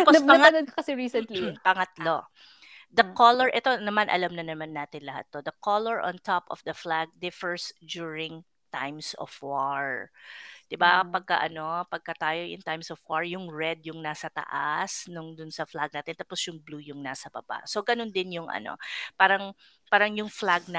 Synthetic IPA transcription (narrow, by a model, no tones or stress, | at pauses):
t̪apospɐɐŋanod̪kokɐsɛɹiːsɛnt̪lpɐŋɐt̪lo̞ | d̪ɐkolɔɹʔɛt̪o̞nɐmanʔɐ̰lamnɐnɐmanːaːt̪ɪnlɐha̰t̪̚ːod̪ɐkolɔɹʔɔ̰̃nt̪opɔ̰fd̪ɐflaɡ̚d̪ɪfɛɹsd͡ʒ̪uːɹɪŋ | t̪ajmsɔ̰vwaɹ | d̪̥ɪbapɐɡ̚kɐ̰ʔɐno̞pɐɡ̚kɐt̪aːjojʊ̰nt̪ajmsɔvwaɹjʊŋɹɛd̪̚jʊŋnaːsɐt̪ɐ̰ʔasnʊŋd̪ʊnsɐflaɡ̚naːt̪ɪnt̪aposjʊŋbluːjʊŋnaːsɐbɐ̰ba̰ʔsoɡɐnond̪ɪnjʊŋʔɐ̰no̞̰paːɾɐŋ | paːɾɐŋjʊŋflaɡ̚nɐ